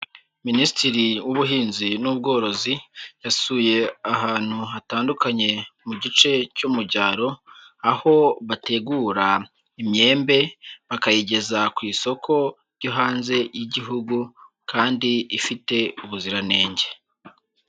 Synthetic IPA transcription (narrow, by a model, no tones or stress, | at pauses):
ministiɾiwuβuɦiːnzinubɡo̞ːɾo̞zijasuːje̞aɦaːn̥huɦataːndukaɲe̞muɟit͡ʃe̞cumuɟaːɾo̞ | aho̞βate̞ɡuːɾa | imɲe̞ːmbe̞βakajiɟe̞zakwiːso̞kʰo̞ | ɾɟoɦaːnze̞jiɟiɦuɡu | kaːndiifite̞uβuziɾane̞ːɲɟe̞